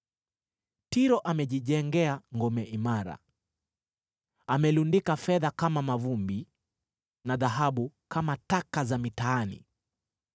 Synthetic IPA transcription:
tiɾɔʔamɛʄiʄɛŋɡɛaŋɡɔmɛʔimaɾa̰ | amɛlundikafɛðakamamavumbi | naðaɦaɓukʰamatakazamitaːnḭ

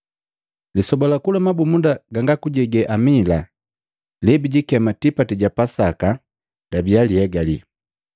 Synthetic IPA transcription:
lisɔbɔlakulamabumundaɡaŋɡakuɟɛɡɛʔamila | lɛbiɟikɛmatipatiɟapasaka | dabialiɛɡalḭ

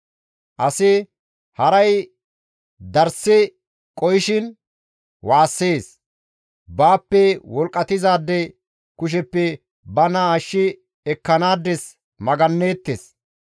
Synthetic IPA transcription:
ʔɐsɪ | hɐɾɐj | d̪ɐɾsɪ | kʼɔjɪʃɪn | waːsːe̞ːs | baːpːɛwɔlkʼːɐt̪ɪzaːd̪ːɛ | kʊʃ̬ɛpːɛ | bɐnɐːʃːɪ | ɛkːɐnaːd̪ːɛs | mɐɡɐnːe̞ːt̪ːes

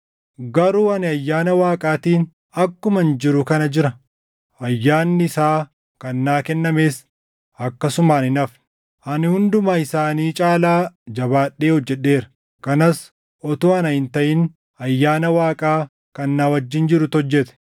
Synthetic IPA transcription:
ɡɐɾuːɐnɪɐjːaːnɐwaːkʼaːt̪iːn | ɐkːʊmɐnd͡ʒɪɾʊkɐnɐd͡ʒɪɾɐ | ɐjːaːnːɪɪsaː | kɐnːaːkɛnːɐmeːs | ɐkːɐsʊmaːnɪnɐfn | ʔɐnɪhʊnd̪ʊmaːɪsaːniːt͡ʃʼaːlaːd͡ʒɐβaːᶑːe̞ːhɔd͡ʒːɛɗːe̞ːɾɐ̥ | kɐnɐs | ɔt̪oːɐnɐhɪnt̪ɐʔɪn | ɐjːaːnɐwaːkʼaː | kɐnːaːwɐd͡ʒːɪnd͡ʒɪɾʊt̪ɔd͡ʒːɛt̪ɛ̥

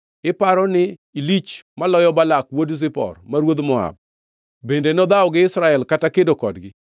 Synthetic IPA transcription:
ɪpaɾɔnɪilit͡ʃmalɔjɔbalakwodzɪpɔ̰rmaɾwod̪mɔa̰b̚ | bendenɔd̪aɔɡɪɪsɾaɛlkatakedokɔdɡɪ

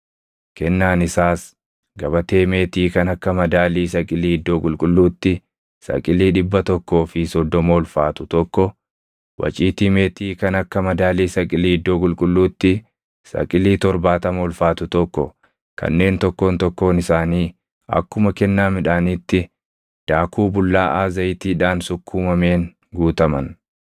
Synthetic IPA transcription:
kɛnːaːnɪsaːs | ɡɐbɐt̪e̞ːme̞ːt̪iːkɐnɐkːɐmɐd̪aːliːsɐkʼɪliːɪd̪ːoːkʼʊlkʼʊlːuːt̪ːɪ | sɐ̰kʼɪliːᶑɪbːɐt̪ɔkːo̞ːfɪsɔd̪ːɔmoːlfaːt̪ʊt̪ɔkːɔ | wʔɐ̰t͡ʃʼiːt̪ime̞ːt̪iːkɐnɐkːɐmɐd̪aːliːsɐkʼɪliːɪd̪ːoːkʼʊlkʼʊlːuːt̪ːɪ | sɐ̰kʼɪliːt̪ɔɾbaːt̪ɐmɔlfaːt̪ʊt̪ɔkːɔ | kɐ̰nːe̞ːnt̪ɔkːo̞ːnt̪ɔkːo̞ːnɪsaːniː | ɐ̰kːʊmɐkɛnːaːmɪᶑaːniːt̪ːɪ | d̪̥aːkʰuːbʊlːaːʔaːzɐjt̪iːᶑaːnsʊkːuːmɐme̞ːŋ | ɡuːt̪ɐmɐn

